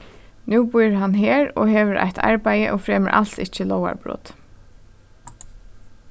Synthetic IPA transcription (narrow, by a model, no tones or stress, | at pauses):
nʉːbʊjɹɦanɦeːɾɔɦeːʋəɾʔa̰jht̪ʰa̰ɹpajəʔɔːfɾɛːməɾʔal̥t̪ɪt͡ʃəlɔwa̰ɹbɾʊ̰t̪